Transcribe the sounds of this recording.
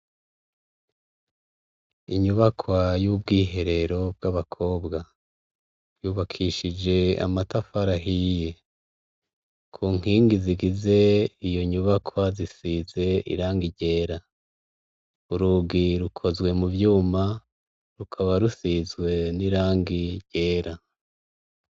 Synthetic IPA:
iɲuβakʰwajuːb̚ɡiːɦe̞ɾe̞ɾo̞bɡaβakʰo̞ːbɡa | juːβakʰiʃid͡ʒe̞a̰matafaɾaɦije̞ | kʰuːŋ̥iːŋɡiziɡize̞ijo̞ɲuβakʰwazisize̞ḭɾaːŋɡiɾɟe̞ːɾa | uɾuɡiɾukʰo̞zɡwe̞muvjuːma | ɾukʰaβaɾusizɡwe̞niɾaːŋɡiɾɟ̥e̞ːɾa

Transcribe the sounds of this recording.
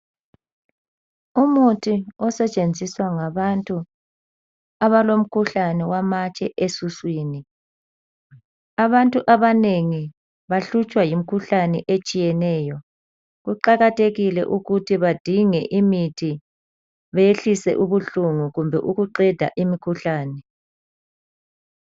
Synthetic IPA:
umutʰiɔsɛt͡ʃʼend͡zʱiswaŋaβantʼu | aβalom̩kʰuɬanɛwamat͡ʃʼɛʔesuswiːni | aβantʼuʔaβaneŋi | βaɬut͡ʃʼwajim̩kʰuɬanɛʔet͡ʃʼijɛnɛːjɔ | ɣuǃaɣatʰeɣilɛ̰ʔuɣutʰiβad̥ʱiŋɛʔimitʰi | βɛjeɬisɛ̰ʔuβuɬuŋuɣumbʱɛʔuɣuǃɛd̥ʱa̰ʔimikʰuɬaːnɛ

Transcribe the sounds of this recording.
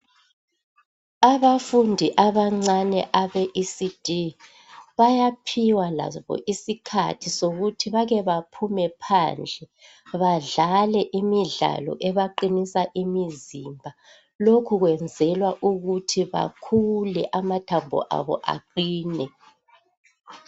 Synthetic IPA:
aβafundʱiʔaβaŋ͡ǀanɛ̰ʔaβɛʔisid̥ʱi | βajapʰiwala̰βɔ̰ʔisikʰa̰tʰisoɣutʰiβaɣɛβapʰumɛpʰa̰nd͡ɮʱɛ | βaɮalɛʔimiɮa̰lɔ̰ʔɛβaǃinisaʔimizimbʱa | lokʰuɣwɛnd͡zʱɛlwaʔuɣutʰiβa̰kʰulɛʔamatʰambʱɔ̰ʔa̰βɔ̰ʔa̰ǃiːnɛ

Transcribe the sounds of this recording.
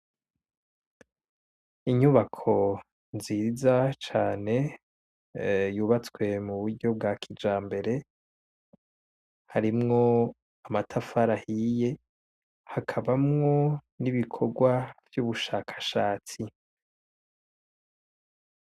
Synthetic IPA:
iɲuβakʰo̞ | nziːzat͡ʃaːne̞ | juːβat͡swe̞muβuɾɟo̞b̚ɡaːkʰid͡ʒaːmbe̞ɾe̞ | haɾimŋo̞ | amatʰafaɾahije̞ | hakʰaβamŋo̞ | niβikʰo̞ɡwavjuːβuʃaːkʰḁʃaːt͡si

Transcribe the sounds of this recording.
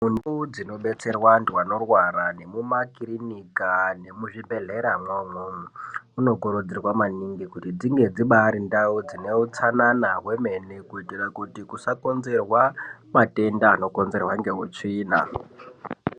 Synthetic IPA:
munud͡zino̞ɓe̞t͡se̞rwandwano̞rwaɾane̞mumakiɾinikane̞muʐibe̞ɮe̞ɾamwomwouno̞ɡoɾud͡zirwamaniŋɡikutid͡ziŋɡe̞d͡ziɓaːɾindaud͡zine̞ut͡sananawe̞me̞nekuitirakutikusako̞nze̞rwamate̞ndaːno̞ko̞nze̞rwaŋɡe̞ɦut͡ʂiːna̰

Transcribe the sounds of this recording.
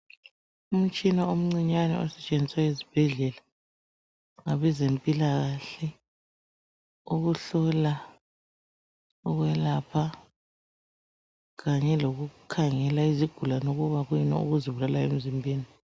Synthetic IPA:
um̩t͡ʃʼinaom̩ŋ͡ǀiɲanɛ̰ɔ̰sɛ̥t͡ʃʼeniswaezi̥b̥ʱɛɮɛla | ŋaβɛzempʼilaɣaɬɛ | uɣuɬɔla | uɣwɛlapʰa | ɣaɲɛloɣukʰaŋɛlaiziɡ̥ʱulanoɣuβaɣujinɔ̰ṵɣuziβulalaḛm̩zimbʱiːni

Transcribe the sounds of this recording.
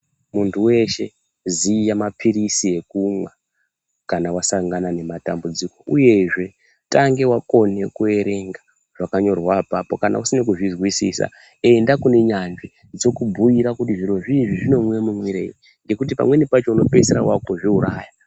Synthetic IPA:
muntʰuwe̞ʃe̞ | zijamapʰiɾisie̞kumwa | kanawasaŋɡanane̞matambud͡ziko̞ʔuje̞ʐe̞ | taŋɡe̞wako̞ne̞kue̞ɾe̞ŋɡa | ʐ̥akaɲo̞rwapapo̞kana̰usinekuʐizwisisa̰ | e̞ndakune̞ɲand͡ʒi | d͡zo̞kubʱujiɾakutiʐiɾo̞ʐiʐiʐino̞mwe̞mumwiɾei | ŋɡe̞kut̬ipa̰mwe̞nipat͡ʃouno̞peseɾawako̞ʐiuɾaːja

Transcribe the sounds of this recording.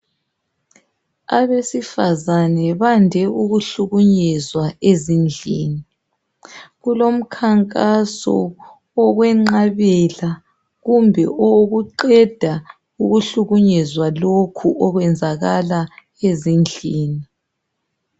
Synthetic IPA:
aβesifazanɛβandʱɛʔuɣuɬuɣuɲɛzwaezind͡ɮʱiːni | ɣulom̩kʰaŋkʼasɔ̰ | ɔɣwɛŋ͡ǃaβɛla | ɣumbʱɛʔoɣuǃɛd̥ʱa | uɣuɬuɣuɲɛzwalokʰuʔɔɣwɛnd͡zʱaɣala | ezind͡ɮʱiːni

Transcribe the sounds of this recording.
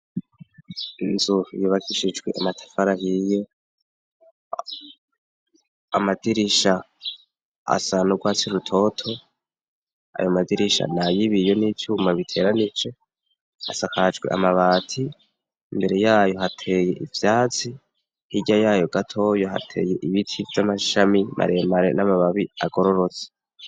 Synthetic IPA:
nzujuːβakiʃid͡ʒɡweʔamatʰḁfaɾahije̞ | amadiɾiʃa | sanoɡwaːt͡siɾutʰo̞tʰo̞ | a̰jomadiɾiʃa̰najiβijo̞nit͡ʃuːmaβitʰe̞ːɾanit͡ʃe̞ | a̰sakad͡ʒɡwe̞ʔa̰maβaːtʰiː | mbe̞ɾe̞jaːjo̞ɦatʰe̞je̞ʔivjaːt͡si | hiɟajaːjo̞ɡatʰo̞joɦa̰tʰe̞̰ːje̞ʔiβitʰivjamaʃamimʔa̰ɾemaɾe̞̰namaβaβiaɡo̞ɾo̞ɾo̞t͡se̥

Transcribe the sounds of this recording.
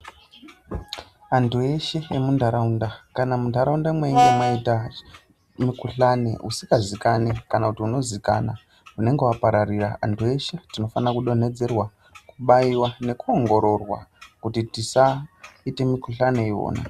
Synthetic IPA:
antʰueʃeemundʱaɾaundakanamundʱaɾaundamweiŋɡemaita | mikuɬane̞̰usikɡazikanekanakutiuno̞zika̰na | une̞ŋɡewapaɾariraa̰ntʰue̞ʃetino̞fanakuɗo̞ne̞d͡ze̞rwa | kuɓaiwane̞kuo̞ŋɡo̞ɾo̞rwa̰kutitisaite̞mikuɬane̞iwo̰ːna̰

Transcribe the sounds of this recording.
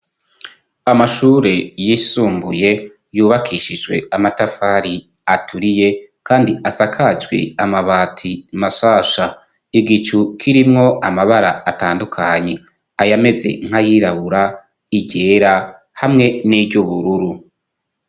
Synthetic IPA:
amaʃuːɾe̞jisuːmbuje̞ | juːβakʰiːʃid͡ʒwe̞̰amatafaɾi | atʰuɾije̞kʰaːndiʔasakʰad͡ʒɡwḛamaβaːtʰimaʃaːʃa | iɡit͡ʃukʰiɾimŋo̞ʔamaβaɾaːtaːndukʰaɲe̞ | ajame̞ze̞̰ŋ̥hajiɾaβuɾa | iɟe̞ːɾa | hamŋe̞nibɟuβuɾuɾu

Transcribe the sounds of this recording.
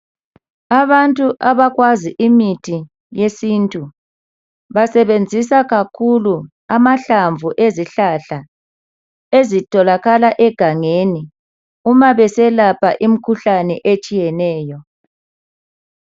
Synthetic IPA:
aβantʼuʔaβaɣwaziʔimitʰi | jesintʼu | βasɛβend͡zʱisaɣakʰulu | amaɬaɱvʱuʔeziɬaɬa | ezitʼɔlaɣalaʔɛɡ̥ʱaŋeni | umaβɛsɛlapʰa̰ʔim̩kʰuɬanɛʔet͡ʃʼijɛnɛːjɔ

